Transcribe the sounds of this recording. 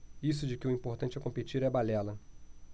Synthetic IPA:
is̬ʊd͡ʒɪkɪʊĩmpoɾt̪ɐ̃nt͡ʃɪɛkõpet͡ʃiɾɛbalɛlɐ

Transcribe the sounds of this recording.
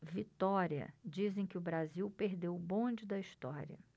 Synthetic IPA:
vit̪ɔɾiɐ̰d͡ʒizẽj̃kɪʊbɾaziwpeɾd̪ewʊbõd͡ʒɪd̪ɐiʃt̪ɔɾiɐ̰

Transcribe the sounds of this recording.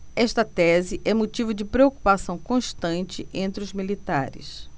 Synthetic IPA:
ɛʃt̪ɐt̪ɛzɪʔɛmot͡ʃivʊd͡ʒɪpɾeoku̥pasɐ̃w̃kõʃt̪ɐ̃nt͡ʃɪʔẽnt̪ɾɪʊzmilit̪a̰ɾɪ̰s

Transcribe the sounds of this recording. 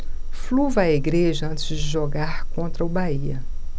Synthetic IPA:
fluvɐːeɡɾeʒɐɐ̃nt̪ɪzd͡ʒɪʒoɡaɾkõnt̪ɾɐʊbaiɐ

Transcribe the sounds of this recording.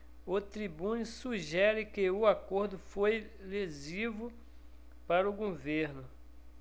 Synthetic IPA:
ʊt̪ɾibũnʊsuʒɛɾɪkɪʊakoɾd̪ʊfojlezivʊ | paɾʊɡoveɾnʊ

